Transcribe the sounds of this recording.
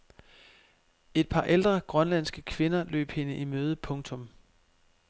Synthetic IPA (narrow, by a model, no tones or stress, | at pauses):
e̝d̥̚pʰɑ̈ːʔeld̥ʁɐɡ̥ʁɶnlæn̰sɡ̥əkʰʋe̝nɐlø̰ːb̥he̝nəʔimøːð̞ˠəpʰɔ̽ŋt͡sʰɔ̽m